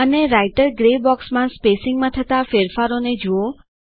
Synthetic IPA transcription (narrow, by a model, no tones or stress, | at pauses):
əneɾaiʈəɾɡɾebɔksmãspesɪŋɡmãt̪ʰət̪afeɾfaɾoned͡ʒuo